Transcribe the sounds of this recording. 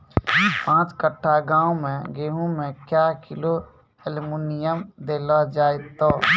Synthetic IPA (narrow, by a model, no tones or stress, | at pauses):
pãːt͡ʃkəʈʰːaɡãːomẽɡeːɦũmẽkjaːkɪlo | elmuːnɪjəmd̪eːlad͡ʒaːɪt̪ːoː